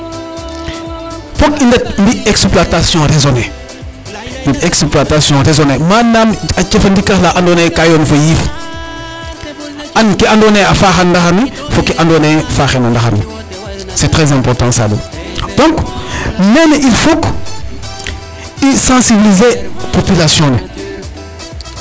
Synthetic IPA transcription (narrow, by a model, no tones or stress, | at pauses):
fɔkindɐt̚mbiɛksplatasjɔ̃rezɔnɛ | diɛkspluatasjɔ̃ɾezɔnɛmaːnːamɐt͡ʃɛfɐndikɐxlaʔandonɛkajɔːnfojiːf | ankiandɔnɛafaːxɐnːdɐxɐmi | fokːɛʔandonɛafaːxɛnandaxa̰mi | sɛtɾɛzɛ̃mpɔrtɑ̃sa̰lḭ | d̥ɔ̃ŋkmɛnʔilfok | isɑ̃sibilizepopylasjɔ̃nɛ